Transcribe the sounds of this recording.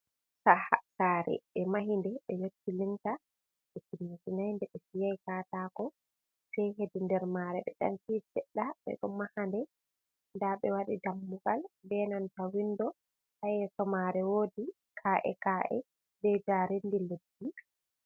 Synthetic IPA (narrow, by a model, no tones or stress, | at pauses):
sahasaːɾɛ̰ɓɛmaɦindɛɓɛjotːiliŋta | ɓɛkinːitinajndɛɓɛfijajkaːtakɔ | fɛɦedindɛɾmaɾɛɓɛ̰ɗa̰ntisɛɗːaɓɛ̰ɗɔmahandɛ | ndaɓɛwaɗidamːuɡalbɛnantawinːdɔ | tajɛsɔmaɾɛwoːdi | kʰaːʔɛ̰kaʔɛ̰ | bɛd͡ʒaɾendiledːi